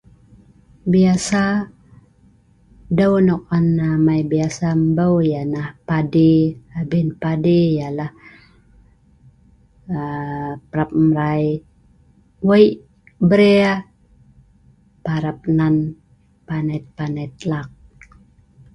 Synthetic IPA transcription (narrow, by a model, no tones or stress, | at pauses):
biasa | dəwnɔk̚anamajbiasambəwjanahpadiabinpadijalah | pəɾap̚mɾaj | wəiʔ | bəɾea | paɾap̚nan | panat̪̚panat̪̚lak̚